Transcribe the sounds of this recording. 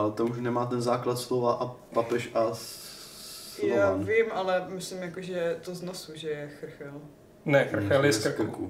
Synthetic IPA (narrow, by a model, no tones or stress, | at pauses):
alɛt̪ouʃnɛmaːt̪̬ɛnzaːklat̪slovaʔa | papɛʃas | ljoaanvɪmʔalɛmɪslɪmjakoʒɛt̪oznosuʒɛjɛxr̩xɛl | nɛxɾxɛljɛsskɾkku